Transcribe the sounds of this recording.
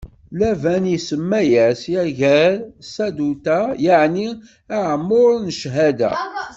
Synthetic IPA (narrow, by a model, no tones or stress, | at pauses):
lævænisəmːæjæsaʝæɾsæd̪ut̪æjəʕni | aʕmːʊɾˤnəʃɦæd̪æ̰